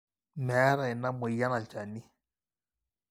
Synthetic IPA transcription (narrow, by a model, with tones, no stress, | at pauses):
mɛ˨˦ɾa˨i˨na˦mu˨ja˦na˨lt͡ʃa˨ni˦